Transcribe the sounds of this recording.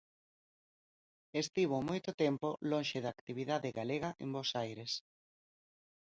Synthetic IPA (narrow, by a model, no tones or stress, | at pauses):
est̪iβ̞omojt̪ot̪ɛmpolõnʃeðakt̪iβ̞iðaðeɣaleɣaʔḛ̃mbosajɾes